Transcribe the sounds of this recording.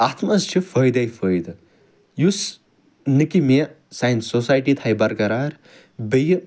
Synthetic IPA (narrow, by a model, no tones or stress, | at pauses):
ɐt̪ʰmɐzt͡ʃʰifəːjd̪ɐjfəːjd̪ | jus | nɨkime | sajnsosaːjʈit̪ʰajbɐɾkɐɾaːɾʲ | bəji